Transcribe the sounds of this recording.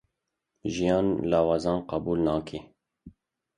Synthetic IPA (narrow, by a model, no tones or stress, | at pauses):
ʒijɑːnlɑːwɑːzɑːnqɑbuːlnɑːkʰe